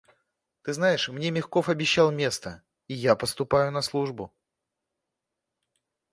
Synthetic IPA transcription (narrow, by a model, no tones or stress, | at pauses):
t̪ɨznajɪʂmnʲe̞mʲɪxko̞fɐbʲɪɕːalˠmʲe̞st̪ə | ijapəst̪ʊpajʊnɐslˠuʐbʊ